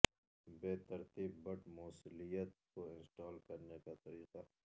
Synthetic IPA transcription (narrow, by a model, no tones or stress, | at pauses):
beːt̪ɐɾt̪iːbːɐʈmoːsʊlijət̪̚koɪ̃nsʈaːlkɐɾnekat̪ɐɾiːqa